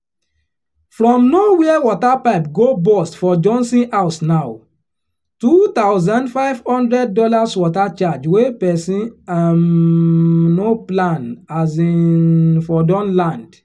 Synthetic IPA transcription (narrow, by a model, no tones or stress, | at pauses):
fɾɔ̃mnowɛɛwɔtapaɪpɡobɔstfɔd͡ʒɔ̃nsĩasnaʊ | tutaʊzãndfaɪv̥hɔ̃ndɹɛd̚ːɔlaswɔtat͡ʃad͡ʒwepɛsĩam | noplãnasinfɔdɔ̃nlãnd